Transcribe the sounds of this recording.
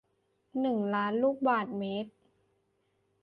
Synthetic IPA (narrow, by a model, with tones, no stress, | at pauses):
nɯ˨˩ŋlaː˦˥nluː˥˩k̚baː˨˩t̪̚meː˦˥t̪̚